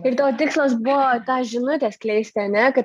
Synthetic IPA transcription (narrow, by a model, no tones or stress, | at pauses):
ɪɾt̪oːt̪ʲɪkslˠoːsbʊʋoːt̪ɑːʒʲɪnʊt̪ʲeːsklʲɛɪsʲt̪ʲɪɐnʲɛkɐt̪